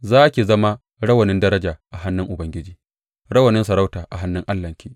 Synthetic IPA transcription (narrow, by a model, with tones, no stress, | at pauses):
zaː˦kʲi˨zɐ˦ma˦ | ɽɐ˦wɐ˨nɪ˦ndɐ˦ɾɐ˦d͡ʒaː˨ʔa˨ɦa˦nːɪ˦ŋʔʊ˨bɐ˦ŋɡʲɪ˦d͡ʒiː˦ | ɽɐ˦wɐ˨nɪ˦nsɐ˨ɾɐ˦wtaː˨ʔa̰˨ɦa˦nːɪ˦ŋʔa˦lːɐ˨ŋkʲiː˦